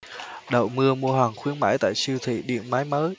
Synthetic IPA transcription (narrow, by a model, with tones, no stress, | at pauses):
ɗə̰˧˨wmɨ˧əmu˧əɦwaː˨˩ŋxwi˨˦ənmaː˧˥jt̪a̰ː˧˨jsi˧wt̪ʰḭ˧˨ɗḭ˧˨ənmaː˨˦jməː˨˦j